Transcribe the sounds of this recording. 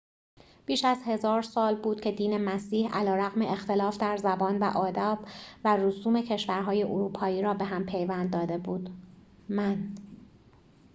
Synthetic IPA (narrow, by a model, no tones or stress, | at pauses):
b̥iːʃæzhe̞zɒːɾsɒːlbuːd̪̥̚cʰe̞d̪iːne̞mæsiːhælɒːɾæɣme̞ʔext̪ʰe̞lɒːfd̪æɾzæbɒːnvæʔɒːd̪æːb̥værusuːme̞cʰe̞ʃvæɾɦɒːjeʔoɾuːpʰɒːjiːɾɒːbe̞ɦæmpʰe̞jvænd̪ːɒːd̪e̞buːd̪ | mæn